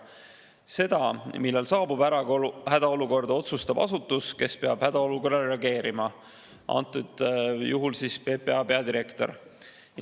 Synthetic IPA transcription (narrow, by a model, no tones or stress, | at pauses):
se̞d̪̥ɑmilːelsɑːbub̥æɾɑɡhæd̪̥ɑo̞luko̞rd̪̥ɑo̞t̪sust̪ɑb̥ɑ̰sut̪ːˑuske̞spe̞ɑb̥hæd̪̥ɑo̞luko̞rːɑlreɑɡe̞ːɾimɑ | ʔɑ̰nt̪ːˑud̪̥juɦulsispe̞ːpe̞ɑpe̞ɑd̪iɾe̞kt̪o̞̰r